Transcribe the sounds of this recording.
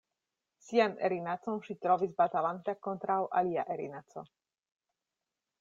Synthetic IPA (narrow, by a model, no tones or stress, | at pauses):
sianɛ̰ɾinat͡somʃit̪ɾovizbat̪alant̪akont̪ɾawʔa̰lia̰ʔeɾinat͡so